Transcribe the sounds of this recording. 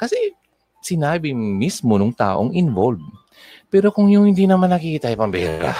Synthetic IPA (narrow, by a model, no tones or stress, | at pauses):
kɐsɛ | sɪnaːbɪmismonʊŋt̪a̰ːʔo̰ŋʔɪnvolb | pɛːɾo̞kʊŋjʊŋhɪnd̪iːnɐmanːɐkikːt̪ɐʔjpɐmbɛɾa̰